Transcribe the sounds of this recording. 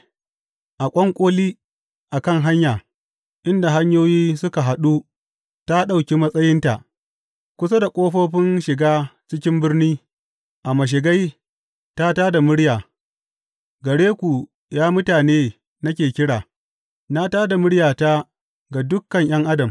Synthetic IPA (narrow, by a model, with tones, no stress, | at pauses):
ʔa˨kʷʼɔ˦ŋkʷʼoː˦liː˦ | ʔa˨kɐ˦ŋɦa˦ɲjaː˨ | ʔɪ˦nda˨ɦa˦ɲjoː˦jiː˦sʊ˦ka˨ɦa˨ɗu˦ | ta˦ɗa˦˨wkʲi˦mɐ˦sʼɐ˦jɪ˦nta˨ʔ | kʷʊ˦sa˦da˨kʷʼoː˦ɸoː˦ɸɪ˦nʃɪ˨ɡaː˦t͡ʃɪ˦kʲɪ˦mbɪ˦rniː˦ | ʔa˨mɐ˨ʃ̬ɪ˨ɡa˦j | ta˦taː˦da˨mʊ˦ɽjaː˨ | ɡɐ˨ɽeː˦kʷu˨ | jaː˦mʊ˦taː˨neː˦ | nɐ˦kʲeː˨kʲɪ˦ɽaː˨ | na˦taː˦da˨mʊ˦ɽjaː˨ta˦ | ɡa˨dʊ˦kːɐ˨ɲj̰ɐ˦ŋʔa˦dɐ˨m